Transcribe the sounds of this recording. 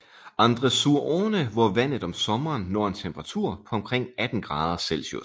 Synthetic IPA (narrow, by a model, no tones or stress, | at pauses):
ʔɑ̈nd̥ʁəsuɐʔɔːnəʋɒʋæn̰ð̩ˠɒ̽msɒ̽mɐːnːɒːe̝nt͡sʰemb̥ɐʁɑ̈t͡sʰuɐ̰pʰɒ̽ɒ̽mkʰʁeŋ̰æd̥n̩ɡ̥ʁɑ̈ːð̞ˠɐsel̰so̰